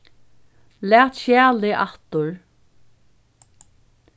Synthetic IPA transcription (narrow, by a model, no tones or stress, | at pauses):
læːt̪ʃjæːlɪʔaht̪ʊɹ